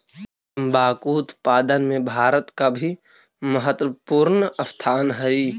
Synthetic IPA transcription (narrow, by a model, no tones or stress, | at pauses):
mbaːkuːt̪paːd̪ənmẽbʱaːɾət̪kabʱi | məɦət̪wəpuːɾnɐft̪ʰaːnɦɛi